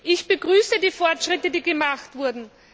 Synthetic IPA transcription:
ʔɪçb̥əɡʁyːsədiːfɔɐtʃʁ̥ɪtədiːɡəmaxtv̥ʊɐdn̩

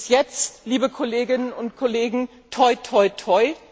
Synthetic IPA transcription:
sjɛt͡sttliːbəkʰɔleːɡɪnənʊntkʰoleːɡŋ̩ | tʰɔʏtʰɔʏtʰɔʏ

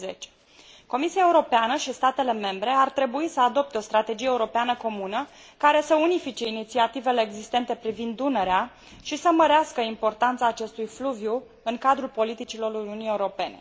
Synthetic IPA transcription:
zet͡ʃ | ko̞misiaeuɾo̞peanəʃist̪at̪e̞le̞me̞mbɾe̞art̪ɾe̞buisəad̪o̞p̚t̪eo̞st̪ɾat̪e̞d͡ʒijeuɾo̞peanəko̞munə | kaɾe̞səunifit͡ʃe̞init̪siat̪ive̞le̞ːɡzist̪e̞nt̪e̞pɾivind̪ːune̞ɾea | ʃisəməɾeaskəimpo̞rt̪ant̪saːt͡ʃe̞st̪ujfluvju | ɨŋkad̪ɾulpo̞lit̪it͡ʃilo̞runiunije̞uɾo̞pe̞ne̞̰

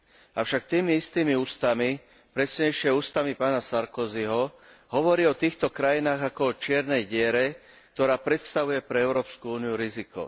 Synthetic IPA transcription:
aʊʃak̚t̪iːmiist̪iːmiuːst̪ami | pɾɛsɲɛjʃɪɛuːst̪amipaːnasaɾkɔziɦɔɦɔʋɔɾiːɔt̪iːxt̪ɔkɾajinaːɣakɔɔt͡ʃɪɛɾnɛjɟɪɛɾɛ | k̚t̪ɔɾaːpɾɛt̪st̪aʋujɛpɾɛɛʊɾɔːpskuuːnijuɾizikɔ̰

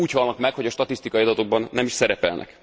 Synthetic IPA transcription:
uːchɒlnɒkmɛkho̞ɟɒʃt̪ɒt̪ist̪ikɒiɒd̪ɒt̪o̞ɡ̚bɒnːɛmiʃsɛɾɛpɛlnʔɛ̰k

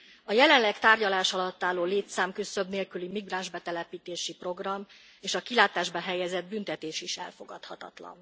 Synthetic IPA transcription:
ɒjɛlɛnlɛkt̪aːrɟɒlaːʃɒlɒt̪ːaːlːoːleːt̪saːmkøsøbneːlkylimiɡraːnʒbɛt̪ɛlɛpiːt̪eːʃipro̞ɡrɒmː | eːʃɒkilaːt̪aːʒbɒɦɛjɛzɛd̪̚bynt̪ɛt̪eːʃiʃɛ̰lfo̞ɡɒt̪hɒt̪ɒ̰t̪lɒ̰n

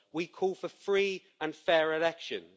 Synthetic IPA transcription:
wikʰɔːlˠfəfɹiː | ə̃nfɛːɹɪlɛkʃə̰̃n

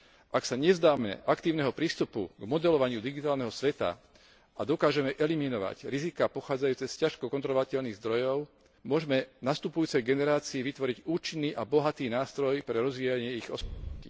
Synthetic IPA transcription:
ʔaksaɲɛzd̪aːmɛ̰ʔakt̪iːʊnɛɦɔpɾiːst̪upṵɡmɔd̪ɛlɔʋaɲɪud̪iɡit̪aːlnɛɦɔsʋɛt̪a̰ | ad̪ɔkaːʒɛmɛʔɛliminɔʋa̰cɾizikapɔxaːd͡zajuːt͡sɛscaʃkɔkɔnt̪ɾɔlɔʋacɛʎniːɣzd̪ɾɔjɔʊ | mʊɔʒɛmɛnast̪upujuːt͡sɛjɡɛnɛɾaːt͡siːʋit̪ʋɔɾiɟuːt͡ʃinːiːʔabɔɦat̪iːnaːst̪ɾɔjpɾɛɾɔzʋiːjaɲɪɛiɣɔsi

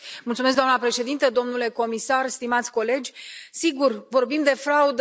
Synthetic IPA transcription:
mult̪umes̬ɡd̪oamnəpɾe̞ʃe̞d̪int̪əd̪o̞mnule̞ko̞misarst̪imat̪sʲko̞le̞d͡ʒʲsiɡurvo̞rbimd̪e̞fɾaud̪

